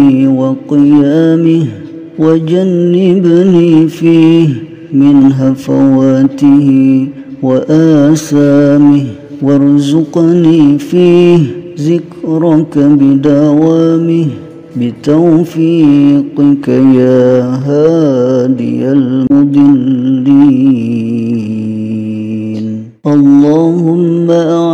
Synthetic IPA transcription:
waqɪjaːmɪ | wad͡ʒanːɪbaniːfiː | mɪnɦafawaːtɪɦi | waʔaːsaːmɪ | waɾzʊqanifiːzɪkɾˤɑkabɪd̪awaːmɪh | bɪt̪awfiːqɪkajaːɦaːd̪ɪ̰jalmʊd̪ˤɨlːi | n | ʔɑlˤːaːhʊmːaʔa

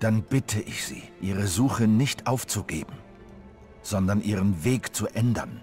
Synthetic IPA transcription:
d̥anb̥ɪtʰəʔɪçz̥ḭːʔiːʁ̞əzuːχənɪçtʔaʊft͡suɡḛːbm̩ | z̥ɔndɐnʔiːʁ̞ənveːkt͡suʔɛndɐn

